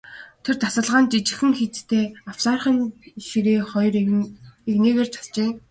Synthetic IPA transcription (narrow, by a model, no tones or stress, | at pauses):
t̪ʰert̪asə̆ɮʁaːnt͡ɕit͡ɕɪ̆xɘ̆ŋxit͡st̪ʰeːaw̥saːrχə̆nxiɾeːχɔjreɣneːɣeːrt͡ɕʰḁɮt͡ɕeː